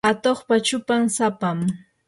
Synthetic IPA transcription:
at̪oχpat͡ʃʊpaŋsapam

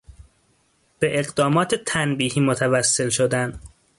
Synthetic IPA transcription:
b̥eʔeɢd̪ɒːmɒːt̪ʰet̪ʰænbiːhiːmot̪ʰævæsːe̞lʃod̪æn

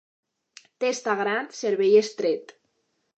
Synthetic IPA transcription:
t̪est̪aɣɾant̪seɾβejest̪ɾet̪

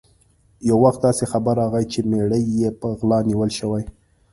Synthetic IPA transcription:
jawːaxt̪̚d̪ɑsexabaɾɑɣajt͡ʃemeɽəjːepəɣlɑniwəlʃəwaj

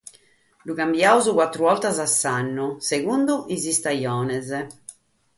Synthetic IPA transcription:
luɣambjauzukwat̪ːɾuɔlt̪azasːanːuseɣund̪uizist̪ajɔːnɛzɛ

